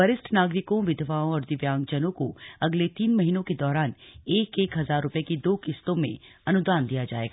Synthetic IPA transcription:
əɾɪsʈnaːɡɾɪkõʋɪd̪ʱʋaːõɔːɾd̪ɪʋjãːŋɡd͡ʒɐnõkoɐɡlet̪iːnmɐɦiːnõked̪ɔːɾaːneːkeːkɦɐzaːɾːʊpjekid̪oːkɪst̪õmḛ̃ | ɐnʊd̪aːnd̪ijad͡ʒa̰ːḛːɡaː

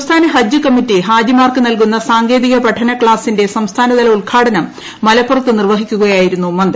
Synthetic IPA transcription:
st̪ʰaːnɐɦɐd͡ʑɨkɐmːitːiɦaːd͡ʑimaːrkɨnɐlkunːɐsaːŋɡe̞ːðiɣɐpɐʈʰːɐnɐkɭaːsːinde̞sɐmst̪ʰaːnɐd̪ɐlɐuɭkʰaːɽɐnɐmː | ɐlɐpːurɐt̪ːɨnirʋɐɦikʲːuɣɐjaːjiɾunːumɐnd̪

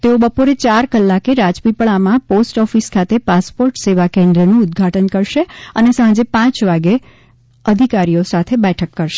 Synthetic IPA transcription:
t̪eobəpoɾet͡ʃaɾkəlːakeɾad͡ʒpipəɭamãposʈɔfiskʰat̪epaspoɾʈseʋakẽnd̪ɾənũʊd̪ɡʱaʈənkəɾʃeənesãd͡ʒepãt͡ʃʋaɡe | əd̪ʱikaɾijosat̪ʰebɛʈʰəkːəɾʃe

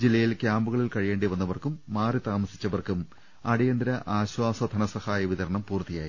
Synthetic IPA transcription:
d͡ʑilːɐjilkjaːmbuɣɐɭilkɐɻijeːɳɖeʋɐnːɐʋɐrkumːaːrit̪aːmɐsi̥t͡ɕːɐʋɐrkum | ɐɽijɐnd̪ɾɐʔaːɕwaːsɐd̪ʱɐɳɐsɐhaːjɐʋit̪ɐɾɐɳɐmpuːrt̪ijaːji

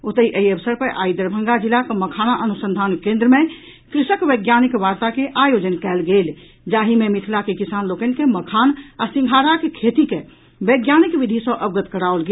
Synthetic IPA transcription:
ot̪əiʔəiəbəsəɾpəɾʔaid̪əɾbʱəŋɡad͡ʒilakeməkʰanaʔənusə̃nd̪ʱankẽnd̪ɾəme | kɾisəkbeɡjanikʋaɾt̪akeʔajod͡ʒənkɛlɡel | d͡ʒaɦimemit̪ʰilakekisanlokənkeməkʰanasĩŋɡʱaɾakekʰet̪ike | beɡjanikbid̪ʱisə̃ʔəbɡət̪kəɽaolɡe

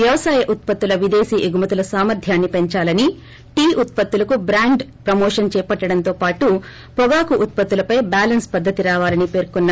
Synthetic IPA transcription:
ʋjɐʋɐsaːjɐʔut̪̚pɐt̪ːulɐʋid̪eːsiːʔiɡumɐt̪ulɐsaːmɐɾd̪ʱjaːnːipeɲt͡ʃaːlɐni | ʈiːʔut̪̚pɐt̪ːulɐkubɾaːɳɖpɾɐmoːʂɐnt͡ʃɛːpɐʈːɐɽɐnt̪o̞ːpaːʈu | pɔɡaːkuʔːt̪̚pɐt̪ːulɐpɐjbaːlɐnspɐd̪ʱːɐt̪iɾaːʋaːlɐnipe̞ːɾkunːɐ

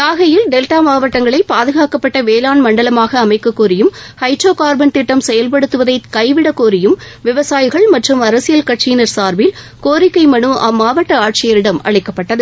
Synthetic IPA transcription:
t̪aːɣɐjɪlɖɛlʈaːmaːʋɐʈːɐŋɡɐɭɐɪpːaːðɯɣaːkɐpːɐʈːɐʋeːlaːnmɐɳɖɐlɐmaːɣɐːmɐɪkːɐkːuːɾɪjɯmhɐɪʈroːkaːɾbɐnt̪ɪʈːɐmsɛjɐlpɐɽɯt̪ːɯʋɐðɐɪkɐɪʋɪɽɐkoːɾɪjɯm | ʋɪʋɐsaːjɪɣɐɭmɐʈrɯmɐɾɐsɪjɐlkɐʈt͡ʃiːnɐɾsaːɾbɪl | koːɾɪkːɐɪmɐnɯʔɐmːaːʋɐʈːɐaːʈ̚t͡ʃɪjɐɾɪɽɐmɐ̰ɭɪkːɐpːɐʈːɐðɯ

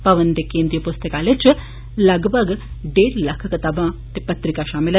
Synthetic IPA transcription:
pɐʋənt̪ekẽnd̪ɾijɐpust̪əkaːlet͡ʃ | lɐɡbʱɐɡɖeːɾlɐkʰkɐt̪ɐbʱãːt̪epɐt̪ɾikaʃaːmilɐ

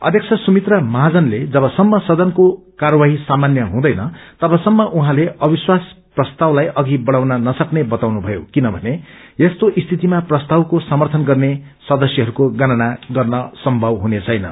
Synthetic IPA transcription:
ʌ̰d̪ʱjʌkt͡sʰʌsumit̪rʌmʌɦad͡zʌnled͡zʌbʌsʌmːʌsʌd̪ʌnko | karʌwaɦisamanjʌɦũd̪ʌjnʌt̪ʌbʌsʌmːʌʔuɦãleʔʌbiswas | prʌst̪awlajʔʌɡibʌɽawnʌnʌsʌknebʌt̪awnubʱʌjokinʌbʱʌne | jest̪oʔist̪ʰit̪imaprʌst̪awkosʌmʌrt̪ʰʌnɡʌrne | sʌd̪ʌsjʌɦʌɾukoɡʌnanaɡʌrnʌsʌmbʱʌbɦunet͡sʰʌjnʌ

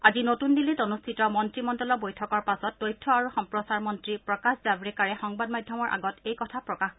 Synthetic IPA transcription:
azinotundilitonustʰitɔmɔntɹimɔndɔlɔbojtʰɔkɔɹpasɔtːojtʰːɔaɹuxɔmpɹɔsaɹmɔntɹipɹɔkaszabɹɛkaɹɛxɔŋbadmajdʱjɔmɔɹʔa̰ɡɔtejkɔtʰapɹɔkax

